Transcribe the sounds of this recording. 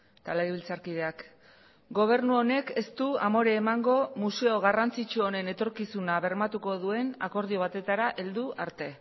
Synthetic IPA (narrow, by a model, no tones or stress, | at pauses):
t̪aleiβilt͡saɾkið̞e̞ak | ɡo̞β̞e̞ɾnuo̞ne̞ke̞st̪uamo̞ɾe̞ːmaŋɡo̞muse̞o̞ɣ̞arant͡sit͡ʃuone̞ne̞t̪o̞ɾkisunaβe̞ɾmat̪uko̞ðue̞na̰ko̞ɾð̞io̞β̞at̪e̞t̪aɾaʔe̞ld̪uʔaɾt̪e̞